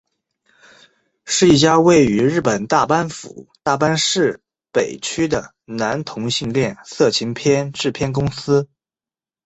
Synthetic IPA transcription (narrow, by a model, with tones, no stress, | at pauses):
ʂɻ̩˥˧i˥˩t͡ɕja˥we˥˩ɪy˧˥ɻɻ̩˥˩pə˨˩nt̪a˥˩pa˥nfṵ˨˩˦t̪a˥˩pa˥nʂɻ̩˥˩ | pe˨˩ɪt͡ɕʰy˥d̪ə˨˩ | na˧˥nt̪ʰʊ˧˥ŋɕi˥˧ŋljɛ˥˩nsɤ˥˩t͡ɕʰi˧˥ŋpʰjɛ˥nʈ͡ʂɻ̩˥˩pʰjɛ˥nk̬ʊ˥ŋsɹ̩˥